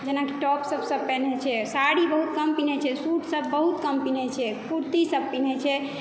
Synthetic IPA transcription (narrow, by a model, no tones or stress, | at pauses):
d͡ʒenakiʈɔpsəbsəbpɛnet͡ʃʰɛsaɽibəɦut̪kəmpinɛt͡ʃʰɛsuʈsəbːəɦut̪kəmpinɛt͡ʃʰɛpuɾt̪isəb̚pinɛt͡ʃʰɛ